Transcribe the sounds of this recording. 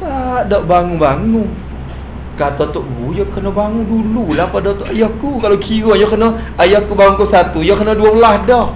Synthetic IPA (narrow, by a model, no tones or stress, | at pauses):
laʔdɔʔbaŋubaŋu | kat̪ɔt̪oʔbujɔkənɔbaŋudululahpadɔt̪oʔajahkukalowkʰiɾɔjɔkənɔ | ajahkubaŋuŋkusat̪ujɔkənɔduabəlahdɔʔ